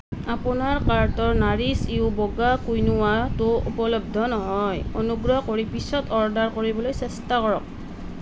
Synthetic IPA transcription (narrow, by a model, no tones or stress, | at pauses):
apʊnaɹkaɹtɔɹnaɹiseʊbɔɡakujnʊwatʊupɔlɔb̚dʱɔnɔɦɔjonuɡɹɔɦkoɹipisɔtɔɹdaɹkoɹibɔlojsɛstakɔɹɔk̚